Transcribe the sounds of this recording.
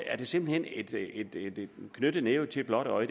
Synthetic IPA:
æɐd̥e̝se̝mb̥l̩hen̰ed̥ed̥d̥kʰnød̥əneːʊt͡sʰe̝b̥lɒ̽d̥ɒɪd̥

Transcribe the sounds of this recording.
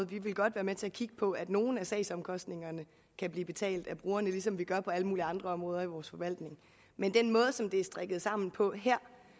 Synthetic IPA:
ð̩ˠʋiʋe̝lɡ̥ɒ̽d̥ʋæːɐmet͡sʰe̝ækʰiɡ̥əpʰɒ̽æd̥no̝ːn̩æsɛ̰ɪsɒ̽mkʰɒ̽sd̥ne̝ŋɐnə | kʰæb̥liːb̥e̝t͡sʰɛ̰ːld̥æb̥ʁuːɐnəlis̬ɒ̽mʋiɡ̥ɶɐpʰɒ̽æləmuːliɑ̈nd̥ʁɐɒ̽mʁɔ̽ːð̞ˠɐiʋɒːsfɒ̽ʋæl̰d̥ne̝ŋ | mend̥enmɔ̽ːð̞ˠəsɒ̽md̥e̝æɐsd̥ʁeɡ̥ð̞̩ˠsɑ̈m̰n̩pʰɒ̽ɦeɐ̰

